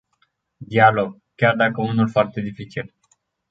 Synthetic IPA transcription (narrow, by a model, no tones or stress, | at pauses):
d̪ialoɡ̚ | kʲjard̪akəunulfoart̪e̞d̪ifit͡ʃil